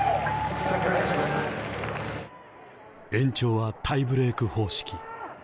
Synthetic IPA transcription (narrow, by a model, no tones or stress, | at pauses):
ẽ̞ɲ̟t͡ɕo̞ːβat̪ʰaibɯ̟ɾe̞ːkɯ̟ho̞ːɕi̥kʲi